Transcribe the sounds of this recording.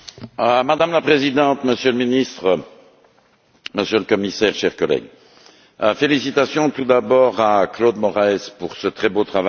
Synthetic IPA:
mad̪amlapχezid̪ɑ̃t̪məsjøləminist̪χə | məsjøləkɔmisɛːʁʃɛʁkɔlɛ̰ɡ | felisit̪asjɔ̃t̪ud̪abɔːʁaklod̪mɔʁɛɛzpuʁsət̪χɛbot̪χava

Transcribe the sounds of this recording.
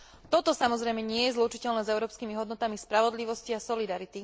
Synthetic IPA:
t̪ɔt̪ɔsamɔzɾɛjmɛɲɪɛjɛzlut͡ʃicɛlnɛːzɛʊɾɔːpskimiɦɔd̪nɔt̪amispɾaʋɔd̪liʋɔsciasɔlid̪aɾit̪i

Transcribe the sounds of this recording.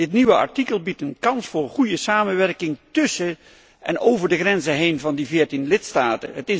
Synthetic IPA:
dɪtniʋəɑ̰ɹtikəlˠbitənkɑnsfʊːɹχujəsaːmənʋɛrkɪŋtɵsə | ʔɛ̰nowvəɹdəχrɛnzəɦejnvɑndivɪːɹtinlɪtstaːtə̰ɦətɪ

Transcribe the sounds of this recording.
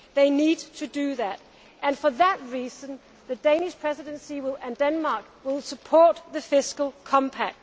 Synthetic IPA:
ðeɪnid̚tʰuduðæt | ʔæ̃nfəðæt̚ɹiːsə̃n | ðəd̥ẽɪ̃nɪʃpʰɹ̥ɛsɪdə̃nsiwɪlæ̃ndɛ̃nmɑːˑk | wɪlˠsəpʰɔːt̚ðəfɪskəl̩ˠkʰɒ̃mpʰæk̚t

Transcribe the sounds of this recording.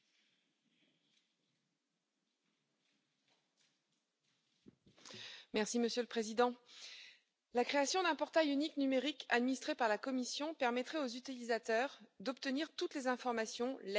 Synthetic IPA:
mɛʁsiməsjøləpχezid̪ɑ̃ | lakχeasjɔ̃d̪ɛ̃pɔʁt̪ajyniknymeʁikʰad̪minist̪χepaʁlakɔmisjɔ̃pɛʁmɛt̪χɛozyt̪ilizat̪œʁd̪ɔpt̪əniʁt̪ut̪lezɛ̃fɔʁmasjɔ̃l

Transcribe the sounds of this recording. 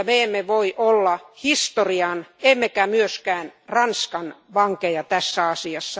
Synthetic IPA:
meemːeʋoiʔolːɑhist̪oriɑnemːekæmyøskæːnrɑnskɑnʋɑŋkejɑt̪æsːæɑsiɑsːɑ

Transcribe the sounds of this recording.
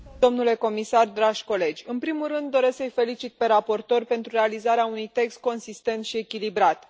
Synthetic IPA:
o̞mnule̞ko̞misard̪ɾaʒʲko̞le̞d͡ʒʲɨnpɾimulrɨnd̪ːo̞ɾe̞sksəjfe̞lit͡ʃit̪̚pe̞ɾapo̞rt̪o̞rʲpe̞nt̪ɾuɾe̞alizaɾeaunujt̪e̞kst̪̚ko̞nsist̪e̞nt̪ʃie̞kʲilibɾat̪

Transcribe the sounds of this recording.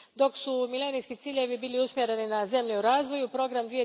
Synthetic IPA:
d̪o̞ksumilenijskit̪siːʎe̞ʋibiːliusmʲje̞ɾe̞ninaze̞mʎeuɾaːzʋo̞jupɾo̞ɡɾamd̪ʋie

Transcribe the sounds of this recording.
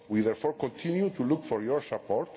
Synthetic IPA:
wiðɛɾfɔɾkõnt̪ʰĩnjut̪ulukfɔɾjɔɾsapɔɾt̪

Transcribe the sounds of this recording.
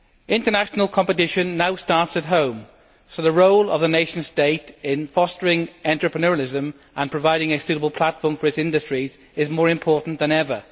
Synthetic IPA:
ɪ̃ntənaʃənəlˠkʰɒ̃mpətɪʃə̃nːaʊstɑˑɹtsət̚ɦõʊ̃m | soʊðəɹoʊlə̰vðəneɪʃə̃n̥steɪtɪ̃nfɔstəɹɪ̃ŋɑ̃nt͡ʃɹ̥əpʰɹənɔɹəlɪzə̃m | ʔə̃npʰɹ̥əvaɪɾɪ̃ŋəsʉːˑɾəbəlˠpʰl̥atfɔːɱfəɹɪsɪ̃ndəstɹ̥iz | ɪzmɔːɹɪ̃mpʰɔɹʔn̩ðə̃nɛvə

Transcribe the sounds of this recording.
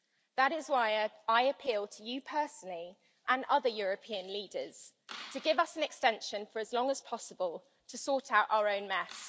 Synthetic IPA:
ðəɾɪzwaɪaɪəpʰiːlˠtʰəjəpʰɜˑsənəli | ʔə̃nʌðəjɔːɹəpʰĩə̃nliːdəz̥ | tʰəɡɪvʌsə̃nɛkstɛ̃nʃə̃nfəɹəzlɒ̃ŋəz̥pʰɒsəbəlˠ | tʰəsɔˑtʰaʊta̰ʊəɹə̃ʊ̃nmɛs

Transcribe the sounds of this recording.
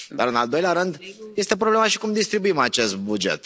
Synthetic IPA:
d̪a̰ɾɨnald̪o̞jleaɾɨnd̪je̞st̪e̞pɾoblemaʃi̥kumd̪ist̪ɾibuimat͡ʃe̞st̪̚bud͡ʒḛt̪

